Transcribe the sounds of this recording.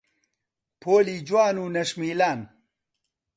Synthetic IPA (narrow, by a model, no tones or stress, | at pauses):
pʰoːlid͡ʑwaːnuːnɐʂmiːlaːn